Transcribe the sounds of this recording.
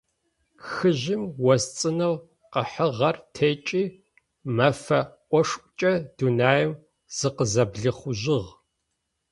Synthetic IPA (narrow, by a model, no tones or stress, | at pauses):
xɨʑɪmwɐzt͡sʼɨnɐw | qəħəʁɐrtʰeːt͡ʃʼiː | mɐfɐʔʷɔʂkʷʼt͡ʃʼɐd̥unaːjɛm | z̥ɨqəzɐbɮɨχʷʊʑɪʁ